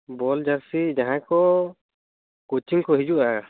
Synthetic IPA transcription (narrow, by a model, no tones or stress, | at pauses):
bɔld͡ʒaɾsid͡ʒaɦãkɔ | kot͡ʃiŋkɔɦid͡ʒuʔa